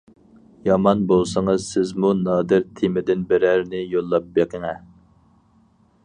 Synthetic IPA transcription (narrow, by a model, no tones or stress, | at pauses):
jɑmɑnbolˠsɨŋɨz̥sɪzmunɑːd̪ɪɾt̪ʰemɪd̪ɪnbɪɾæɾnɪjolˠːɑp̚beqʰəŋɛ